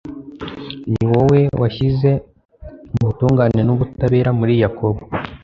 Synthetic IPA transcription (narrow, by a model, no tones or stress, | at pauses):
niwowe̞wʔaçize̞ | uumutuːŋɡaːne̞nuβutaβe̞ːɾamuɾijako̞βo